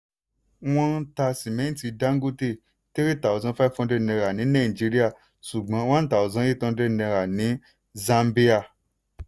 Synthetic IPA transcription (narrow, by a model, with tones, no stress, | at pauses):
w̃ɔ̃˧n̩˦ta˧sĩ˨mɛ̃˨˦n̩˦ti˧da˦ŋ˦ɡo˦te˦˨ | te˦ɾi˦˨ta˨o˨zã˧˦fa˦fɔ̃˧de˦˧nɛ̃˧ɾa˨nĩ˨˦nã˦˨i˨d͡ʒi˨˦ɾi˦a˦˨ | ʃu˨ɡ͡bã˨˦wã˦n̩˦ta˨ɔ˨zã˨˦i˦˨tɔ̃˧de˦˧nɛ̃˧ɾa˨nĩ˨˦ | zã˧mbi˦a˦˨